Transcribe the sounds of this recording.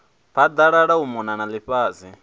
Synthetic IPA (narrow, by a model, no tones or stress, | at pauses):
pʰad̪aɺaɺaumɔnanaliɸaːzi